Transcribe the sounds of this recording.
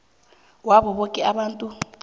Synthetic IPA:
wabɔβokʼɛaɓaːntʼu

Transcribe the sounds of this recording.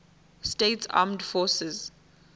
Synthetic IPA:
steːtsa̰ːmdfɔːsɛz

